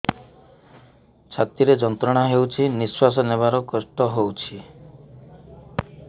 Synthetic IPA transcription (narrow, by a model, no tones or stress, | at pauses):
t͡ʃʰat̪iɾed͡ʒɔnt̪ɾɔɽ̃aɦewt͡ʃʰiniswas̬ɔneβaɾɔkɔsʈɔɦowt͡ʃʰi